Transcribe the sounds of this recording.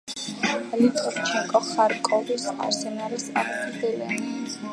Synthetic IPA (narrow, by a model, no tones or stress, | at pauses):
lit̪ʼɔft͡ʃʰɛŋkʼɔχaɾkʼɔvisa̰ɾsɛnaɾisa̰ɾpʰisd̪ɛlian